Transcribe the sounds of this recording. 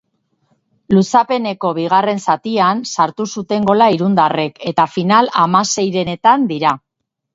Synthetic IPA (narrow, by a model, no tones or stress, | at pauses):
lusape̞ne̞ko̞βiɣ̞are̞nsat̪iansaɾt̪usut̪e̞ŋɡo̞laiɾund̪are̞ke̞t̪afinalamase̞jɾe̞et̪and̪iɾa